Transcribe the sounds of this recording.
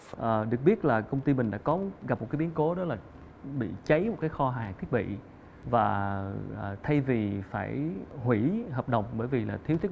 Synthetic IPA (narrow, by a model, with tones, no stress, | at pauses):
ʔəː˨˩ɗɨ˨˩ək̚ɓi˦˥ət̚laː˨˩kə˧wŋ͡mt̪i˧mï˨˩ŋ̟ɗa̰ː˧˥kɔ˨˦ɣa˨˩p̚mo˨˩t̚kːjɓi˨˦ənko˨˦ɗɔ˨˦laː˨˩ | ɓḭ˧˨t͡ɕə˨˦jm˨˩t̚kaː˨˦jxɔ˧ɦaː˨˩ŋt̪ʰi˦˥ət̚ɓḭ˧˨ | vaː˨˩ʔəː˨˩t̪ʰa˧jvi˨˩faː˧˩jhwi˧˩ɦəː˨˩p̚ɗə˨˩wŋ͡mɓəː˧˩jvi˨˩laː˨˩t̪ʰi˦əwt̪ʰi˦˥